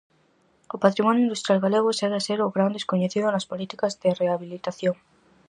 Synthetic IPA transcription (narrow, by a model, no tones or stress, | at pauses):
opat̪ɾimɔnjoinust̪ɾjalɣaleɣ̞oseɾaseɾʊɣɾand̪eskoɲeθiðʊnɐspolit̪ikɐzðɪreaβilit̪aθjoŋ